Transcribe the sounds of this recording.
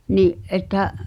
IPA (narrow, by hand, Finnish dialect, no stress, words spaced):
niʔ ʔetːæ